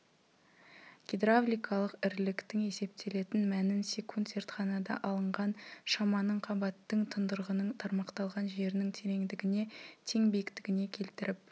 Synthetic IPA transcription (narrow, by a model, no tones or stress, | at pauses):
ɡ̥ʲed̪ɾavlʲijkʰɑlˠəqɪɾlɪkt̪ɪŋe̞se̞p̚t̪ʰe̞le̞t̪ɪnmænɪnsʲekʰont̪se̞ɾt̪χɑnɑd̪ɑ̰ʔɑlˠəɴʁɑnʃɑmɑnəɴqʰɑbɑt̪ːəŋt̪ʰənd̪əɾʁənəɴt̪ʰɑɾmɑqt̪ɑlˠʁɑnʒe̞ɾɪnɪŋt̪ʰe̞ɾe̞ŋd̪ɪɡʲɪne̞t̪ʰe̞ŋbejɪkt̪ɪɡʲɪne̞kʲʰe̞lt̪ɪɾɪp̚